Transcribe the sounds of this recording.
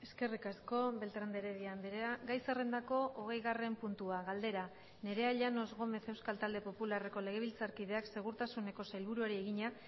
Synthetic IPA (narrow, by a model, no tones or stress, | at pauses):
e̞ske̞rikasko̞be̞lt̪ɾand̪eɾe̞ðianbeɾeaɡajsere̞nd̪ako̞ʔoɣ̞e̞jɣare̞mpunt̪uaɣald̪e̞ɾa | ne̞ɾe̞aʎano̞zɣo̞me̞θe̞wskalt̪ald̪e̞po̞pulare̞ko̞le̞ɣ̞e̞β̞ilt͡saɾkið̞e̞akse̞ɣ̞uɾt̪asune̞ko̞sajlβ̞uɾuaɾie̞ɣiɲa